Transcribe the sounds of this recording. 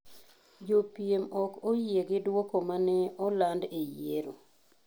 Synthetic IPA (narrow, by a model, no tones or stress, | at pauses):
d͡ʒopjemɔkojeɡɪdwokomanɛɔlandejeɾo